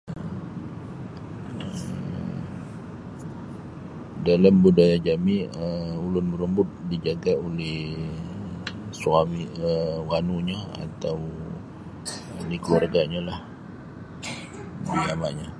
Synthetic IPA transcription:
ə | ə | dalambudajad͡ʒamiəulʊnbəɾəmbʊt̪̚did͡ʒaɡaolɛh | suamiəwanuɲaa̰t̪aw | dikəluarɡaɲalah | dilamaʔɲa

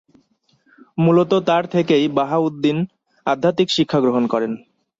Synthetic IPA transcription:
mulot̪ot̪aɾt̪ʰekejbaɦaud̪ːin | ad̪ʱːat̪ikʃikʰːaɡɾoɦonkɔɾen

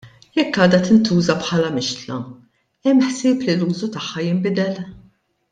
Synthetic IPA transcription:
jɛkːɐːd̪ɐt̪ɪnt̪uːzɐpħɐːlɐmɪʃt̪lɐ̰ | ɛmːħsɪːpliluːzut̪ɐħːɐjɪmbɪd̪ɛl

